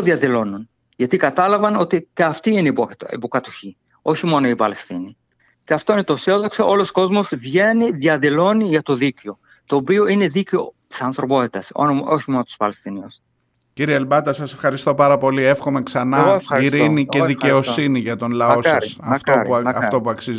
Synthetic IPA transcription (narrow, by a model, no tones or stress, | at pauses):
oðiɐðilo̞nun | ʝɐt̪ikɐt̪ɐlɐvɐno̞t̪iceɐft̪iineipoḭpokɐt̪oçi | o̞çimo̞no̞ipɐlest̪ini | ceɐft̪o̞inet̪osioðokseʔo̞losko̞zmo̞zvʝe̞niðjɐðilo̞niʝɐt̪o̞ðiceo̞ | t̪o̞ːpio̞ine̞ðiceo̞t̪i̥sɐnθɾo̞po̞t̪it̪ɐso̰oçimo̞not̪u̥spɐlest̪inios | ciɾieːlbɐt̪ɐsɐse̞fxɐɾist̪o̞pɐɾɐpo̞lie̞fxo̞me̞ksɐnɐɣoɐiɾiniceðice̞o̞ssiniʝɐt̪o̞nlɐoɐsɐft̪oɐftt̪o̞puɐksiz